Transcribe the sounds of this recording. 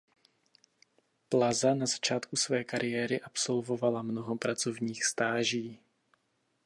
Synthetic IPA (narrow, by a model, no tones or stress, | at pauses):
plazanazḁt͡ʃaːt̪kusvɛːkaɾɪjɛːɾɪʔapso̞lvo̞valamnoɦopɾat͡so̞vɲiːxst̪aːʒiː